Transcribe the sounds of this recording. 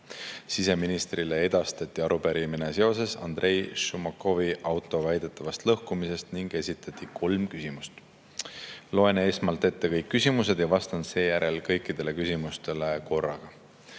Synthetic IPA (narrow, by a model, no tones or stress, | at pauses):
sise̞minist̪rilee̞d̪̥ɑst̪ɑt̪ʲːˑiɑɾupeɾimine̞se̞o̞se̞sɑ̰nd̪̥rʔe̞jʃumɑko̞viʔɑwt̪ːˑo̞væjd̪̥e̞t̪ˑːɑvɑst̪lɤhkumise̞st̪niŋɡ̥e̞sit̪ːˑɑt̪ʲˑːikʰo̞lmkysimust̪ | lo̞e̞neesmɑlt̪e̞t̪ːe̞kɤjkːysʲimuse̞d̪̥jɑvɑst̪ɑnse̞ːjæɾʔe̞lkɤ̞jkːid̪̥e̞le̞kysʲimust̪e̞le̞ko̞rːɑ̰ɡ̥ɑ